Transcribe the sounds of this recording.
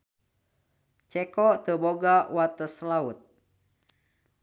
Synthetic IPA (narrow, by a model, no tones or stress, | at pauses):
t͡ʃɛkɔʔt̪əboɡawat̪əslaut̪̚